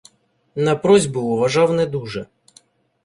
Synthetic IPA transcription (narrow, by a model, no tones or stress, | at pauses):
nɐpɾɔzʲbʊːʋɐʒɑwnɛd̪uʒɛ